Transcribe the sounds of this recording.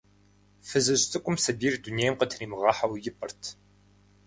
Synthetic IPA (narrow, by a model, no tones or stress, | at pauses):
fɨzɨɕtʰʼɨkʷʼʊmsɐbiːrduneːjmqətʰniːmɨʁɑːħawjɪpʼɐrtʰ